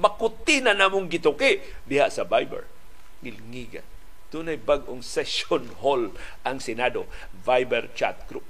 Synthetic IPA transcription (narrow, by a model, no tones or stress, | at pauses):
makʊt̪ɪnanamʊŋɡɪt̪okɪd̪ɪɦaʔsabajbɛ̰ɹ | ŋɪlŋiɡa̰ | t̪unajbaɡʔoŋsɛsonholʔaŋsɛnadovajbɛɾt͡ʃa̰t̪̚kɾup̚